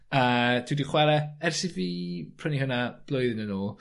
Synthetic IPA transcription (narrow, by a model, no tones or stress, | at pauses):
əd̥ʰwidiχwɛlˠɛɛrsiviːpʰr̥ənihʊnab̥lˠʊjðɪnənoːlˠ